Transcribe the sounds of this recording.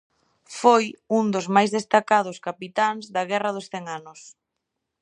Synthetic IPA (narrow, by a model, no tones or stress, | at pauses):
fojund̪ozmajzðest̪akaðʊskapit̪aŋzðɐɣɛrɐðosθɛŋanʊs